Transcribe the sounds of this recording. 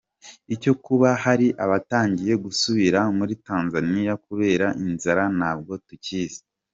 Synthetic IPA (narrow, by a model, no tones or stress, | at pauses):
ico̞kuβahaɾiʔaβataːɲɟije̞ɡusuβiɾamuɾitaːnzanijakuβe̞ːɾaʔinzaɾanaːb̚ɡo̞tuciːze̥